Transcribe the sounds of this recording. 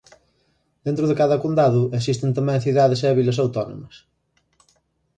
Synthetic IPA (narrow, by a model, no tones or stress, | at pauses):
d̪̥ent̪ɾʊðekaðɐkond̪aðʊesist̪ent̪ɐmɛ̃ŋθiðaðesɛβilɐsawt̪ɔno̰mɐs